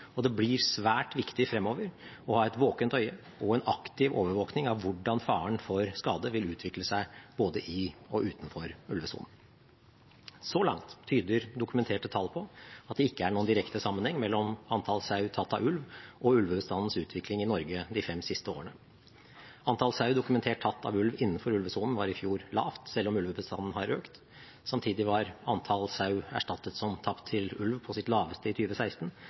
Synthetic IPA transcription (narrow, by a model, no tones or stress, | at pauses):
ɔd̪ɛblɪɾsʋæːʈʋɪkt̪ɪfɾɛmːoːʋəɾɔhɑːɛt̪ʋoːkənt̪œʏə | ɔɛnɑkt̪ɪʋo̰ːʋəɾʋoːknɪŋɑʋʋʊɖɑnfɑːəɳfɔɾskɑːd̪əʋɪlʉːt̪ʰʋɪkləsæɪb̥oːd̪əʔɪɔʔʉːt̪n̩fɔɾʉlʋəsṵːnn̩ | sɔlɑ̰ŋt̪ʰːyːd̪əɾd̪ʊkʉmɛnt̪ʰeːʈət̪ʰɑlpʰɔɑt̪̚d̪ɛɪkːəæɳuːnd̪ɪɾɛkt̪əsɑmːənhɛŋːmɛlːɔmɑnt̪ʰɑlsɑʉt̪ʰɑt̪ːɑʋʉlʋʔɔʉlʋəbəst̪ɑnn̩sʉːt̪ʰʋɪklɪŋɪnɔɾɡəd̪ɪfɛmsɪst̪əo̰ːəɳə | ɑnt̪ʰɑlsɑʉd̪ʊkʉmɛnt̪ʰeːʈ̚ʰɑt̪ːɑ̰ʋʉlʋɪnːənfɔɾʉlʋəsuːnn̩ʋɑɾɪfjuːɾlɑ̰ːft̪sɛlːɔmʉlʋəbəst̪ɑnn̩hɑɾʔøːkt̪ | sɑmt̪ʰiːd̪ɪʋɑɾɑnt̪ʰɑlsɑʉæ̰ʂʈɑt̪ːət̪sɔmt̪ʰɑpt̪ʰːɪlʉlʋpʰɔsɪt̪lɑːʋəst̪əɪt̪ʰyːʋəsæɪst̪n̩